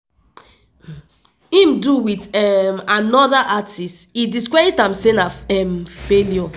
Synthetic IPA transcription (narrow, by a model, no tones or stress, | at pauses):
ĩmduwitɛmanɔðaʔatistidiskɹaitãmsenaɛmfeljɔ